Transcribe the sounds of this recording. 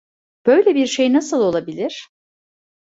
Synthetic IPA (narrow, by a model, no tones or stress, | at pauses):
b̥øjlʲebiɾʃejnasɯlˠo̞lˠabilʲiɾ̝̥